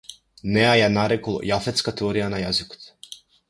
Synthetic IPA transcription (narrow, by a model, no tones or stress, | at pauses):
neajanaɾekolˠo̰jafet̪skat̪eoɾijanajazɪku̥t̪